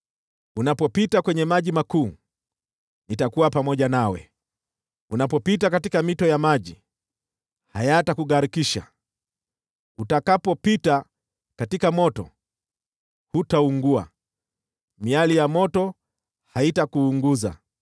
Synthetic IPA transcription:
unapɔpitakwɛɲɛmaʄimakuː | nitakuwapamɔʄanawɛ̰ | unapɔpitakatikamitɔjamaʄi | hajatakuɠaɾikiʃa̰ | utakapɔpita | katikamɔtɔ̰ | hutauŋɡua̰ | mialijamɔtɔ | haitakuːŋɡuza̰

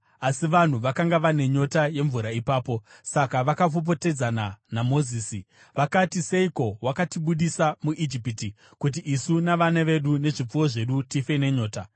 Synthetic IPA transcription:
asiʋan̤uʋakaŋɡaʋane̞ɲo̞taje̞ɱvuɾaipaːpo̞sakaʋakapop̬o̞te̞d͡zananamo̞ziːsi | ʋakatise̞iko̞wakatiɓuɗisamuʔid͡ʒipiti | kut̬iʔisunaʋaneʋe̞ɗune̞ʐip͡fuwo̞ʐe̞ɗutife̞ne̞ɲo̞ːta

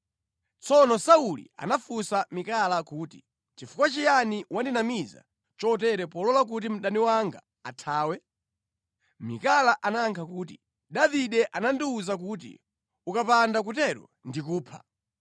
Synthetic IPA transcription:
t͡sɔnɔsaulḭa̰nafusamikalakuːti̥ | t͡ʃifu̥kwat͡ʃijaniwʔandinamiza̰ | t͡ʃɔt̬ɛɾɛpɔlɔlak̬ut̬im̩ɗaniwaŋɡa̰ | atʰaːwɛ | mikalaʔanaŋkʰakuːtḭ | ɗaviɗɛʔanandiuzak̬ut̬ḭ | ukapandak̬utɛɾɔ̰ | ndikuːpʰḁ̰

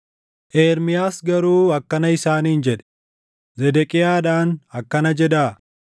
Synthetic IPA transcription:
ʔeːɾmɪjaːsɡɐɾuːɐkːɐnɐɪsaːniːnd͡ʒɛᶑɛ̥ | zɛd̪ɛkʼɪjaːᶑaːnɐkːɐnɐd͡ʒɛd̪aː

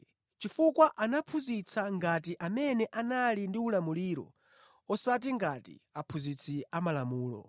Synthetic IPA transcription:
t͡ʃifukwaʔanapʰuzit͡sʰaŋɡatiʔamɛnɛʔanalindiulamuliːɾɔ̰ | ɔsat̬iŋɡatḭapʰuzit͡sʰiamalamuːlɔ̰

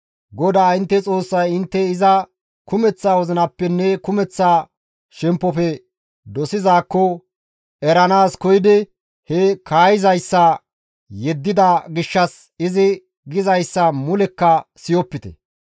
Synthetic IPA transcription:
ɡɔd̪aːɪnt̪ːɛt͡sʼo̞ːsːɐjɪnt̪ːɛɪzɐ | kʊmɛt͡sːaːwɔzɪnɐpːɛnːɛkʊmɛt͡sːaː | ʃɛmpːɔfɛ | d̪ɔsɪzaːkːɔ | ɛɾɐnaːskɔjɪd̪ɛ | hɛkʰaːjɪzɐjsːɐ | jɛd̪ːɪd̪ɐɡɪʃːɐs | ɪzɪ | ɡɪzɐjsːɐmʊlɛkːɐsɪjɔpːɪt̪ɛ̰

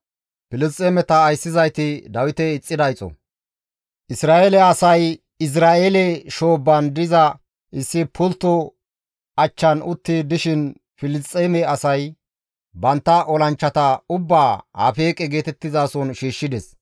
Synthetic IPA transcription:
pɪlɪst̪ʼːeːmɛt̪ɐːjsːɪzɐjt̪ɪd̪ɐwɪt̪ɛɪt͡sʼːɪd̪ɐjt͡sʼːɔ̰ | ʔɪsɾaːʔelɛɐsɐj | ɪs̬ɾaːʔelɛʃo̞ːbːɐnd̪ɪzɐ | ɪsːɪpʰʊlt̪ːɔ | ɐt͡ʃːɐnʊt̪ːɪd̪ɪʃɪn | fɪlɪst̪ʼːeːmɛɐsɐj | bɐnt̪ːɐʔɔlɐnt͡ʃːɐt̪ɐʊbːaːhɐ̰fe̞ːkʼɛɡe̞ːt̪ɛt̪ːɪzaːsɔnʃiːʃːɪd̪ɛs

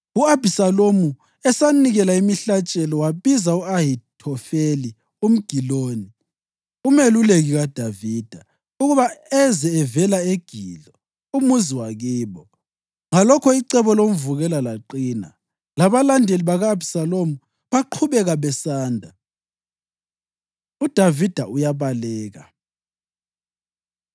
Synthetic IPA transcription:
uabʱisalomu | ɛsaniɣɛlaimiɬat͡ʃʼɛlɔwaβizauaɦitʰɔfeli | um̩ɡ̥ʱiloːni | umeluleɣiɣad̥ʱaviːd̥ʱa | uɣuβaɛzɛːvɛlaeɡ̥ʱḭːɮɔ | umuziwaɣiːβɔ | ŋalɔkʰɔiǀɛβɔlom̩vuɣɛlalaǃiːna̰ | laβalandʱeliβaɣaːbsalomu | βaǃʰuβɛɣaβɛsaːndʱa | ud̥ʱavid̥ʱaʔujaβalɛːɣa̰

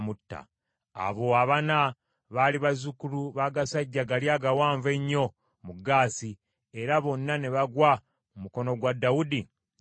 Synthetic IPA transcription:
mutːa̰ː | βo̞aβana | βaliβazukuluβaɡasaɟːaɡaljaɡawaːɱve̞ɲːo̞ | muɡːaːsi | e̞ɾaβo̞nːane̞βaɡwa | mumuko̞no̞ɡwadːawudi

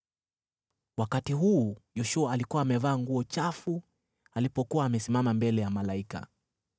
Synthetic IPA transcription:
wakatiɦuːjɔʃuaːlikuwaːmɛvaːŋɡuɔt͡ʃafu | alipɔkuwaːmɛsimamambɛlɛjamalaika̰

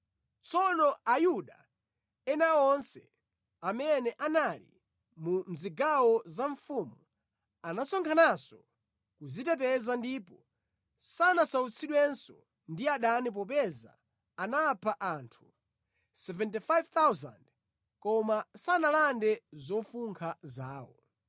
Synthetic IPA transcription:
t͡sɔnɔajuɗa | ɛnaɔnsɛ̰ | amɛnɛʔanalḭ | mum̩ziɡawɔzaɱfumu | anasɔŋkʰanasɔ | kuzitɛt̬ɛzandipɔ | sanasaut͡sʰiɗwɛnsɔ̰ | ndiaɗanip̬ɔp̬ɛza̰ː | napʰaʔaːntʰu | sɛvɛntifajvt̪awza̰nd | kɔmasanalandɛzɔfuŋkʰazaːwɔ̰

